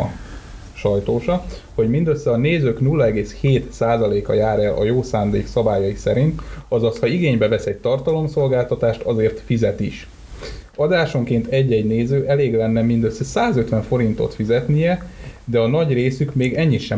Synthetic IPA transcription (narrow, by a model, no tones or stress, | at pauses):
ʃɒjt̪oːʃɒho̞ɟmind̪øsːɛɒneːzøːknulːɒɛɡeːsheːt̪saːzɒleːkɒjaːɾɛlʔɒ̰joːsaːnd̪eːksɒbaːjɒjisɛɾint̪ɒzɒshɒiɡeːɲbɛvɛsɛɟ̚t̪ɒrt̪ɒlo̞mso̞lɡaːlt̪ɒt̪aːʃt̪ɒzeːrt̪fizɛt̪iʃ | ɒd̪aːʃo̞ŋkeːnt̪ɛɟːɛɟneːzøːʔɛleːɡlɛnːɛmind̪øsːɛsaːzøt̪ʋɛɱfo̞ɾint̪o̞̰t̪fizɛt̪nijɛd̪ɛɒnɒɟreːsykmeːɡɛɲːit̪ʃɛ